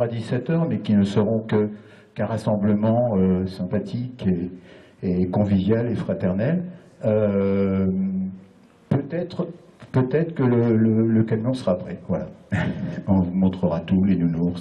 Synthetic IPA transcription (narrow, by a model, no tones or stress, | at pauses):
ad̪isɛt̪œʁmɛkʲinəsəʁɔ̃kə | kɛ̃ʁasɑ̃bləmɑ̃øsɛ̃pat̪ʰikeː | kɔ̃vivjalefχat̪ɛʁnɛl | ø | pøt̪ɛt̪χ | pøt̪ɛt̪χə̥kələlələkanmɔ̃səʁapχɛvwala̰ | ɔ̃vumɔ̃t̪χəʁat̪ulenunuʁ